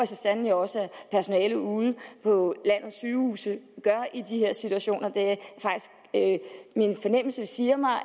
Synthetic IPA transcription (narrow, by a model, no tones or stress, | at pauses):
esəsænn̩joɒ̽səæpʰæɐso̝nɛːləuːð̞ˠəpʰɒ̽læn̰ð̩ˠsyːhuːsəɡ̥ɶɐʔid̥iheɐ̰sit͡sʰuæɕo̝̰ːnɐd̥e̝æfɑ̈ɡ̥d̥isɡ̥ | minfɒ̽nem̰l̩səsiːɐmɑ̈ɪ